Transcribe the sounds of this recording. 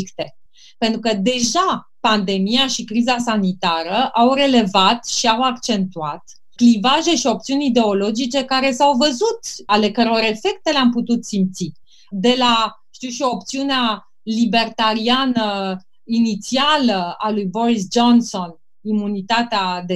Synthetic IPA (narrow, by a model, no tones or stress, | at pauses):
kt̪e | pe̞nt̪ɾukəd̪e̞ʒapand̪e̞mijaʃikɾizasanit̪aɾəʔawɾe̞le̞vat̪ʃiawakt͡ʃe̞nt̪uat̪ | klivaʒe̞ʃio̞p̚t̪siunʲid̪e̞o̞lo̞d͡ʒit͡ʃe̞kaɾe̞sawvəzut̪ale̞kəɾeo̞ɾe̞fe̞k̚t̪e̞leamput̪ut̪simpt̪si | d̪e̞laʃt̪iuwʃio̞p̚t̪siunea | libe̞rt̪aɾianə | init̪sialəalujbo̞ɾisd͡ʒo̞nso̞n | imunit̪at̪ead̪e